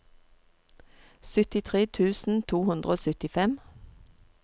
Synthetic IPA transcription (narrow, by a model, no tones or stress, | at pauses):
sʏt̪ɪt̪ʰʁeːt̪ʰʉːsn̩t̪ʰuːhʉnd̪ʁəoːsʏt̪ɪfɛm